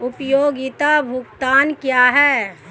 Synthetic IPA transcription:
ʊpjoːɡɪt̪abʱʊkt̪aːnkjaːɦɛ

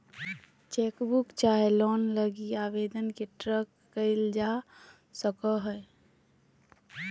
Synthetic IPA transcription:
t͡ʃekbukt͡ʃaɦelɔnləɡiaʋed̪ənkeʈɾəkːəɪld͡ʒa | səkəɦəj

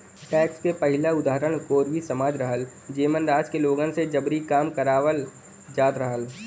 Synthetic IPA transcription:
ʈɛːkskepɐɦɪlaʊd̪aːɾəɽ̃koːɾʋisɐmaːd͡ʒɾɐɦəl | d͡ʒeːmənɾaːd͡ʒkeloːɡənsed͡ʒɐbɾikaːmkɐɾaːʋəl | d͡ʒaːd̪ɾəɦəl

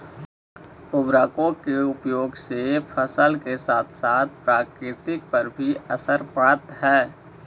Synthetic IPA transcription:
ʊbɾaːkõkeʊpjoːɡsefʰəsəlkesaːt̪ʰsaːt̪̚ʰpɾaːkɾɪt̪ɪk̚pɐɾbʱiɐsəɾpaɽət̪ɦɛː

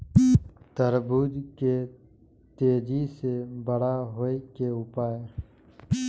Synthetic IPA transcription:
t̪əɾbuːd̪ke | t̪eːd͡ʒisebəɽ̤aɦoikeʊpaːe

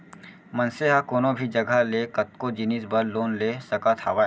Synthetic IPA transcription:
mɐnseɦakoːnobʱid͡ʒɐɡʱaleːkɐt̪̚kod͡ʒɪnisbɐɾloːnleːsɐkat̪ʰaʋa

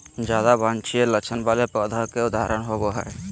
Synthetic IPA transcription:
d͡ʒad̪abant͡ʃʰijɛlət͡ʃʰənbalɛpəd̪ʱakɛud̪aɾənɦɔbɔɦɛ̰j

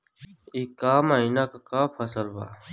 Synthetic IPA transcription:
iːkaːmaːinaːkakaːpʰəsəlba̰ː

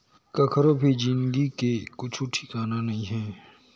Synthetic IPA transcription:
kɐkʰəɾobʱid͡ʒɪ̃nd̪ikekʊt͡ʃʰuʈʰikaːnanɐɦĩɦɛ̃ː

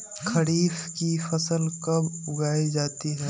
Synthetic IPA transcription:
kʰɐɽiːfkifɐsəlkɐbʊɡaːid͡ʒaːt̪iɦɛː

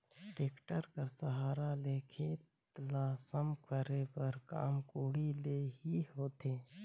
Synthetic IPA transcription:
ʈɾeːkʈəɾkəɾsɐɦaːɾaleːkʰeːt̪ | laːsəmkʰəɾepɐɾka̰ːmkuːɽileːɦihoːt̪eː

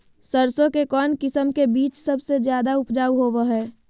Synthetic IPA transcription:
səɾsõkekɔːnkɪsəmkebiːt͡ʃsəbsed͡ʒjaːd̪aʊpd͡ʒaːuɦoːʋaɦɛː

